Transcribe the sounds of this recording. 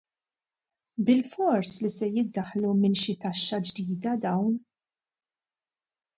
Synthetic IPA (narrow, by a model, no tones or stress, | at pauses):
bɪlfɔɾslisɛjɪd̪ːɐħlumɪnʃɪt̪ɐʃːɐd͡ʒd̪iːd̪ɐd̪ɐwn